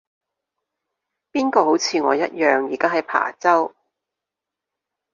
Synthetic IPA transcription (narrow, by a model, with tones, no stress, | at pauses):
piː˥nkɔː˧ɦo˨˥wt͡sʰiː˨˧ŋɔː˨˧jɐ˥t̚jœː˨ŋjiː˨˩kaː˥ɦɐ˨jpʰa̰ː˨˩t͡sɐ˥w